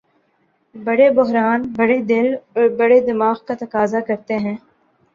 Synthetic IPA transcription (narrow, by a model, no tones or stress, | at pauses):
bɐɽebʊɦɾaːnbɐɽed̪ɪlɔɾbɐɽed̪ɪmaːɣkat̪ɐkaːzakɐɾt̪eɦɛ̃ː